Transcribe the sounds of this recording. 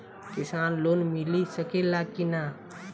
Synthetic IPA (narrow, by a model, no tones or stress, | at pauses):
kisanlonmilisəkelakina